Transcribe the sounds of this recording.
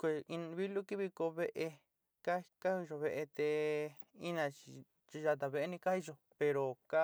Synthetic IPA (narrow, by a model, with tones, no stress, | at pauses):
kʷe˧˨i˧n˧βi˦lu˦ki˦βi˧ko˧βe˦ʔe˧ | ka˦˧ka˦hi˧ʒo˧˨βe˧ʔe˧t̪e˧ | i˦nã˧t͡ʃi˧ | t͡ʃi˧ʒa˧t̪a˨βe˧e˧˦nĩ˧ka˦i˧ʒo˧ | pe˧ɾo˨ka˦